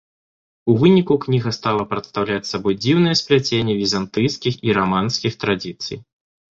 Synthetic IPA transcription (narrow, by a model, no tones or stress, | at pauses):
uvɨnʲikuknʲiɣɐst̪alˠɐpɾɐt̪st̪awlʲat͡sʲsabɔjd͡zʲiwnɨjɛsplʲat͡sʲenʲːɛvʲizant̪ɨjskʲixiɾamanskʲixt̪ɾad͡zʲit̪sɨ̰j